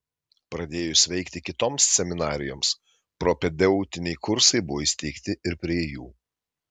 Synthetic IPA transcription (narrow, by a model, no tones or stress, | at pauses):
pɾɐd̪ʲeːjʊsʲʋʲɛɪkt̪ʲɪkʲɪt̪oːmssʲɛmʲɪnɑːɾʲɪjoːms | pɾoːpʲɛd̪ʲɛʊt̪ʲɪnʲɛɪkʊɾsɐɪbʊʋoːisʲt̪ʲiːkt̪ʲɪʔɪɾpʲɾʲiɛjuː